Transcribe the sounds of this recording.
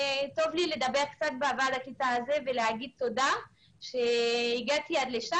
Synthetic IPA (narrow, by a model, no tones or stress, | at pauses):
to̞vlile̞d̪abe̞ʁkt͡sat̪̚beaːvaʁdakitaazevelehaɡid̪̚t̪o̞da | ʃeiɡat̪iad̪le̞ʃa